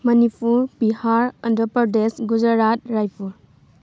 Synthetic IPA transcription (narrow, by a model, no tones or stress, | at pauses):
mɐnipʰuɾpihaɾɐndəpɐɾdesɡud͡ʒaɾat̚ɾajpʰuɾ